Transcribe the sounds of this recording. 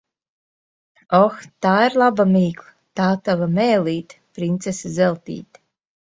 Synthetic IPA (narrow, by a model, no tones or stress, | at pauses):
ɔxt̪aːiɾlˠabamiːklˠɨ | t̪aːt̪avamɛːlʲiːt̪pɾint̪sesazɛlˠt̪ḭːt̪